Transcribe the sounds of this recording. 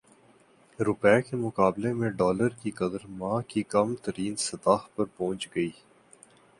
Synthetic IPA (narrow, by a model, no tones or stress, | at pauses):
ɾʊpɛːkemʊkaːblemẽɖɔːləɾkikɐd̪əɾmãːkikɐmt̪ɐɾiːnsɐt̪aːxpɐɾpɔ̃ːt͡ʃɡɐiː